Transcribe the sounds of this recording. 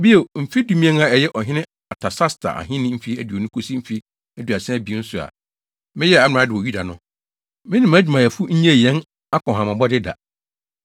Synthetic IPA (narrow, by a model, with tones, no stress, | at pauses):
bi˦o˨m̩˨fi˦du˦mĩ˦ɛ̃˦ŋa˨ɛ˨jɛ˦ʔɔ˨ɦɪ̃˦nɪ̃˦ | a˨tʰa˨sa˦stʰa̰˨ʔa̰˨ɦɪ̃˦nɪ̃˦m̩˦fi˦æ˨dɥo˨nũ˦kʰo˦si˦m̩˦fi˦ | æ˦˨du˨a˨sɛ̃˦bi˨˦n̩˦sʊ˨a̰˨ | mɪ̃˦jɛ˦a˨˦m˨ã˨˦dɪ˨wɔ˨ju˦da˨nʊ̃˦ | mɪ̃˦nɪ̃˨m˨æ˦d͡ʑᶣi˨mã˨jɛ˨fu˦ɲ̩˦ɲɛ̃˦˨jɛ̃˦n | a˦kɔ̃˨ɦã˨mã˨bɔ˦dɪ˦da̰˨